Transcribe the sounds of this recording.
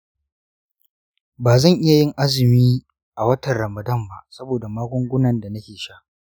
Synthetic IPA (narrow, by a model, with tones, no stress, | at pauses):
baː˨zɐ˦˨ŋʔɪ˦ja˨jɪ˦ŋʔa˦zɪ˨miː˦ | ʔa˨wɐ˦tɐ˨nɽɐ˨mɐ˨dɐ˦mba˦sɐ˦boː˨da˨maː˦kʷʊ˦ŋɡʷʊ˦nɐ˨nda˨nɐ˦kʲeː˨ʃaː˦ʔ